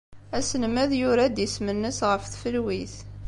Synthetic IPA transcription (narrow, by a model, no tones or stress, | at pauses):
æsənmæðjʊɾad̪jəsmənːəsʁəfθfəlwiθ